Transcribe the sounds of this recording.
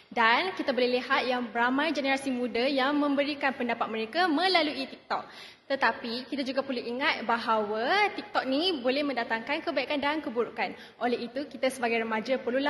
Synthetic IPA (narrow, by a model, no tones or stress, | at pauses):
dankit̪abolɛhliɦat̪̚jaŋbəɾamãjd͡ʒenəɾasimũdajaŋmə̃mbəɾikanpəndapat̪̚mə̃ɾekamə̃laluit̪ik̚t̪ɔk̚ | t̪ət̪apikit̪ad͡ʒuɡapərluiŋat̪̚baɦawat̪ik̚t̪ɔk̚nibolɛhmə̃ndat̪aŋkankəbaikandankəbuɾukan | ʔolɛɦit̪ukit̪asəbaɡajɾəmad͡ʒapərlula